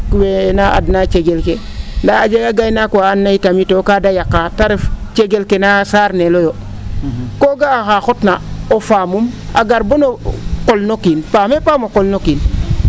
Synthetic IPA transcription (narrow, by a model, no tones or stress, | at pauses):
kuwenaa̰dnat͡ʃeɡelkendaad͡ʒeɡaɡajnakuaːnːaitamitokadajakːataɾeft͡ʃeɡelkenasaːɾnelojo | koɡaːxaxotnaofamuma̰ɡaɾbonokolnokinpamepamokolnokin